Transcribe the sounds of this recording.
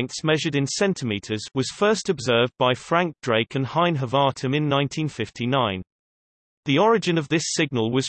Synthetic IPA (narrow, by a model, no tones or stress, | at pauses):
ntsmɛʒəɾɪ̃nsɛ̃ntʰɪmiˑtʰəzwɒz̥fɜˑstəbzɜːvbaɪfɹæ̃ŋk̚d̥ɹeɪkʰə̃nhãɪ̃nɦəvɑˑtʰə̃mɪ̃nːãɪ̃ntʰĩnfɪftʰinãɪ̃n | ðiɒɹɪd͡ʒɪ̃nəvðɪsɪɡ̚nəlˠwɒz̥